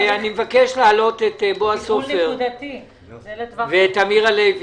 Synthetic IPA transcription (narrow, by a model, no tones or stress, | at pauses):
animevakeʃlaːlo̞tetboasofeʁd̪ti | vetamiʁalejv